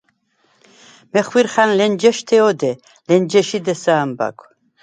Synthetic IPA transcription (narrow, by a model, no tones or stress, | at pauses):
mɛχwiɾχanlɛnd͡ʒɛʃt̪ʰɛɔd̪ɛ | lɛnd͡ʒɛʃid̪ɛsaːmba̰kʷʰʼ